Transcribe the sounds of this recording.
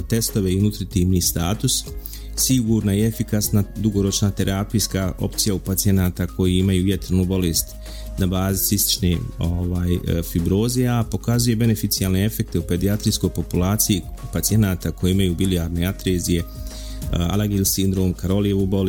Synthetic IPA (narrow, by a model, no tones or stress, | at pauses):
t̪e̞st̪o̞ʋeiunut̪ɾit̪iːʋniːst̪aːt̪us | siɡuːɾnaie̞fikasnad̪uɡo̞ɾo̞t͡ʃnat̪e̞ɾʔapijskaʔo̞̰pt̪sijaupat̪sie̞naːt̪akʰo̞jiimajuːje̞t̪ɾnubo̞leːst̪ | nabaːzisist̪i̥t͡ʃnḛoʋaːjfibɾo̞ːzeapo̞kazuje̞be̞ne̞fit̪sijalne̞e̞fe̞k̚t̪eupe̞d̪iat̪ɾijsko̞jpo̞pulaːt̪siji | pat̪sie̞naːt̪ako̞jeimajuːbiliaːɾne̞at̪ɾeːzije̞ | a̰lˠaɡilsind̪ɾo̞ːmkaɾo̞lijeubol